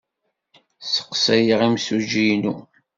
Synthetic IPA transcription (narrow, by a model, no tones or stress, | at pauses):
sə̥qsæjəʁimsud͡ʒijnu